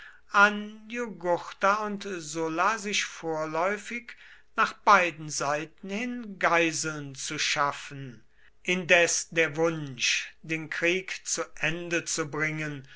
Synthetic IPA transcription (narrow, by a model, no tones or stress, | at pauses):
ʔanjuɡʊχtaʊntzʊlazɪʃfoːɐlɔʏfɪk | naːχb̥aɪdn̩zaɪtn̩hɪnɡaɪzl̩nt͡suʃafn̩ | ʔɪndɛsdeːɐvʊnʃdeːnkʁ̥iːkt͡suʔɛndət͡subʁɪŋən